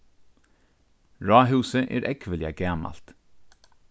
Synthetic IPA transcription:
ɹɑːɦʉːsəʔḛːɾʔɛkʰʋəlɪaɡæːmɑ̰lt̪

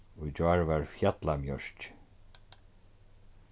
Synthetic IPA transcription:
ujd͡ʒaɹvaɹfjat̪lamjœ̰ɹt͡ʃ

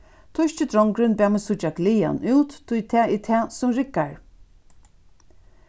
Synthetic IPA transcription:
t̪ʰʊʃt͡ʃɪt̪ɾɔŋkɾɪnbæːmɪsʊt͡ʃaɡlija̰nuwt̪ʰːʊjt̪ʰɛːit̪ʰɛːsʊmɾɪkːaɹ

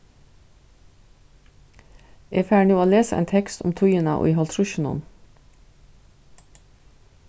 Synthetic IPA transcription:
ʔeːfæːɳuːoːleːsəʔɛ̰ːnt̪ʰɛkst̪ʊ̰mt̪ʰʊjənɑ̰ʔo̰ːʔiːhɑlt̪ʰɾʊʃn̩ʊ̰n

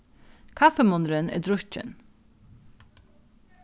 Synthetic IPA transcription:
kʰafɛmʊnɾənɛ̰d̪ɾʊcɪ̰n

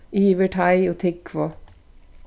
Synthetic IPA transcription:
iːʋəʈʰɑɪoːt̪ʰɪkːʰʋo

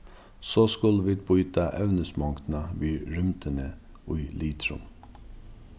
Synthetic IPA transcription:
soːskʊlʋiːd̪̚bʊʏt̪ɑʔɛʋnəsmɑŋkt̪nɑʋiːɹʏmt̪ʰənə | ʊʏliːt̪ʰɾʊ̰m

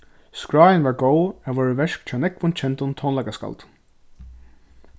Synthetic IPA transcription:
skɹaːjɪnʋaɹɡowaːʋɔːɹəʋɛʂkt͡ɕʰaːnɛkʋʊnt͡ʃʰɛnt̪ʊnt̪ʰɔnlajkaska̰lt̪

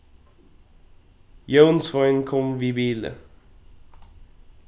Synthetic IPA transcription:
jonsfaɪnkʰɔmvibiːlə̰

